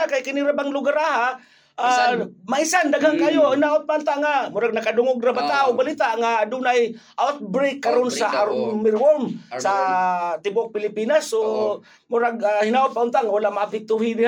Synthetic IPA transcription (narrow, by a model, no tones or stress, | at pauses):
akajkɪniɾabaŋlʊɡaɾaha | amaisand̪aɡhaŋkaʔajohinaːʔʊt̪̚paʊnt̪aʔŋamʊɾaɡ̚nakadʊŋʊɡɾabat̪aʊbalit̪aʔŋadunaj | ʔawt̪̚bɾekːaɾonsaʔaɾʊmɪɾwolmsat̪ɪbʊʔk̚pɪlɪpinaso | mʊɾaɡahɪnaʔʊt̪̚paʔʊnt̪aʔŋawalaʔmaapɪk̚t̪uɦinɪha